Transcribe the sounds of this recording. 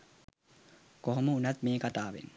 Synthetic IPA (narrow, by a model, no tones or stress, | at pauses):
koɦoməunat̪meːkat̪aːʋḛn